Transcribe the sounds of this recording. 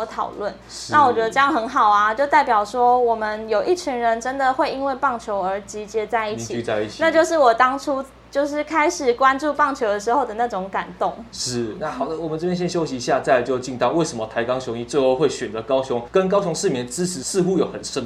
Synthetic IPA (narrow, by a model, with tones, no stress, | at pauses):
t̪ʰɑ̰˨˩ʊlwə˥˩n | ʂa˥˩wɔ˨˩ɥɛ˧˥d̪ʈ͡ʂə˥˧jɑ˥˩ŋxə˧˥nxɑ˨˩ʊa˦t͡ɕjo˥˧ʊt̪a˥˩ɪpjɑ˨˩ʊʂwɔ˥wɔ˨˩mə˦njo˨˩ʊʔi˥˩t͡ɕʰi˧˥ŋɻə˧˦nʈ͡ʂə˦nd̪ə˨xwe˥˩ɪi˦˥nwe˥˧ɪpɑ˥˩ŋt͡ɕʰjo˧˥ʊə˞˧˥t͡ɕi˧˥t͡ɕjɛ˧˥t͡sa˥˧ɪi˥˩t͡ɕʰi˨˥˧a˥˧ɪi˥˩t͡ɕʰina˥˧t͡ɕjo˥˧ʊʂɻ̩˥˩wɔ˨˩t̪ɑ˥ŋʈ͡ʂʰu˥ | t͡ɕjo˥˧ʊʂɻ̩˥˩kʰa˥ɪʂɻ̩˨˩kwa˦nʈ͡ʂu˥˧pɑ˥˩ŋt͡ɕʰjo˧˥ʊd̪ə˨˩ʂɻ̩˧˥xo˥˩d̪ə˩na˥˩ʈ͡ʂo˧˥ŋka˨˩nt̪o˥˩ŋʂɻ̩˥˩na˥˩xɑ˨˩ʊd̪ə˦wɔ˨˩mə˨nʈ͡ʂɤ˥˩pʰjɛ˥nɕjɛ˥nɕjo˥ʊɕi˨˧˩ɕja˥˧t͡sa˥˩ɪt͡ɕjo˥˧t͡ɕi˥˧nt̪ɑ˥˨ʊwe˥˩ɪʂə˧˦mə˦˩t̪ʰa˧˥ɪkɑ˥ŋɕjʊ˧˥ŋi˨˩t͡swe˥˧ɪxo˥˧ʊxwe˥˩ɪɕɥɛ˨nd͡zə˦kɑ˥ʊɕʊ˧˦ŋkə˦˥nkɑ˥ʊɕʊ˧˥ŋʂɻ̩˥˩mjɛ˧˦nt͡sɹ̩˥t͡sʰɻ̩˧˥sɹ̩˥˨xu˥jo˨˩ʊxə˨˩nʂə˦˥n